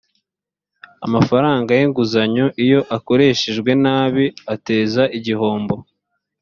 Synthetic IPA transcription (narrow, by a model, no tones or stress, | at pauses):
a̰mafaɾaːŋɡajeŋɡuzaɲoʔijo̞ʔako̞ɾe̞ːʃeʒɡwe̞naːβiate̞ːzaʔiɟiho̞ːmbo̞